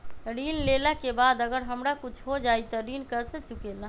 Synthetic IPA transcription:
ɾinleləkebad̪əɡəɾɦəmɾakut͡ʃʰɦod͡ʒajt̪ɔɾinkəɾsət͡ʃukelã

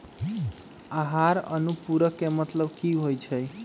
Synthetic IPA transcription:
aɦaɾənupuɾəkːemət̪ləbkiɦojt͡ʃʰəj

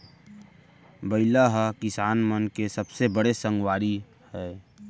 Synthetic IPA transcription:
bəɪlaɦakɪsaːnmənkesəbsebəɽesə̃ŋɡwaːɾi | hɛː

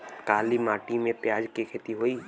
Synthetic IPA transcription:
kaːlimaːʈimẽpjaːd͡ʒkikʰeːt̪iɦoiː

